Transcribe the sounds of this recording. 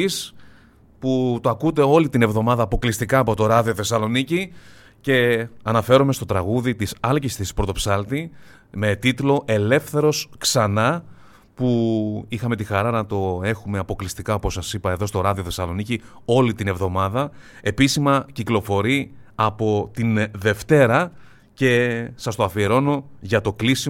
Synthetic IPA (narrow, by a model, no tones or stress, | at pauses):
is | put̪oɐkud̪eo̞lit̪ine̞vðo̞mɐðɐːpo̞klist̪ikɐːpo̞t̪o̞ɾɐðio̞θe̞sɐlo̞nici | ce̞ɐnɐfe̞ɾomest̪o̞t̪ɾɐɣuðit̪isɐlcist̪ispɾo̞t̪o̞psɐlt̪i | me̞t̪it̪lo̞ʔe̞le̞fθe̞ɾo̞sksɐnɐ | puixɐme̞t̪ixɐɾɐnɐt̪o̞e̞xumeɐpo̞klist̪ikɐopo̞sɐsipɐe̞ðo̞st̪o̞ɾɐðio̞θe̞sɐlo̞nici | o̞lit̪ine̞vðo̞mɐðɐ | e̞pisimɐciklo̞fo̞ɾiɐpo̞t̪inðe̞ft̪e̞ɾɐ | ce̞sɐst̪oɐfie̞ɾo̞no̞ʝɐt̪o̞klisi